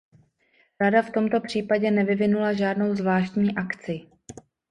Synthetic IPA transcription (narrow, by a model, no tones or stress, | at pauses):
ɾadaft̪o̞mt̪o̞pr̝̥iːpaɟɛnɛvɪvɪnulaʒaːdno̞wzvlaːʃt̪ɲiːʔakt͡sɪ